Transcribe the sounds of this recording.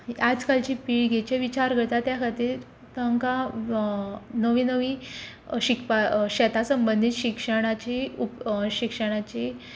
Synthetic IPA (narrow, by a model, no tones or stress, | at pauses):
ad͡zkalt͡ɕipiːɽɡʱɛt͡ɕeʋit͡ɕaɾɡʱəɽt̪at̪jakʰat̪iːɾ | t̪əŋka | nəʋinəʋi | ɕikpaɕɛt̪ʰasəmbənd̪ʱiːt̪ɕikʂəɽ̃at͡ɕiupɕikʂəɽ̃at͡ɕe